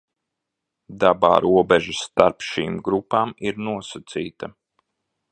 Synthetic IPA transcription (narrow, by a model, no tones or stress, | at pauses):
d̪aba̰ːɾuɔbɛʒisːt̪aɾpʃiːmɡɾupaːmiɾnuɔsat̪siːt̪a